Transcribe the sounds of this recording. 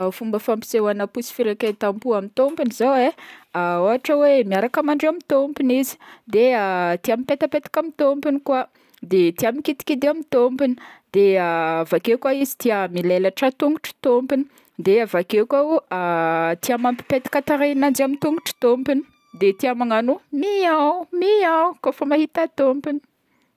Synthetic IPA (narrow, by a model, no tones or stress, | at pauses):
fumbəfampi̥sewanəpusi̥fiɾeket̪ampuamit̪ompinizaweaoaʈ͡ʂəwemiaɾakamaɳɖ͡ʐamit̪ompinizi̥d̪eat̪iamipet̪apet̪ḁkamit̪ompinikwa | d̪et̪iamikit̪i̥kʲid̪eamit̪ompinid̪̥eavakekwaizi̥t̪iəmilelaʈ͡ʂat̪uŋɡuʈ͡ʂi̥t̪ompini̥ | d̪eavakekaat̪iamampi̥pet̪ḁkat̪aɾenand͡ʒamit̪uŋɡuʈ͡ʂi̥t̪ompini̥ | d̪et̪iamaŋanumiawmiawkofamahit̪at̪ompini̥